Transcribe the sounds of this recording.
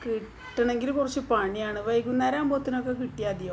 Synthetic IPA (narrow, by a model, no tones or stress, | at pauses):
kiʈːɐɳeŋɡilkurɐt͡ɕːɨpaɳijaːɳɨʋɐjkːunːɐɾaːmboːt̪ːino̞kːekiʈːijaːd̪ijɐ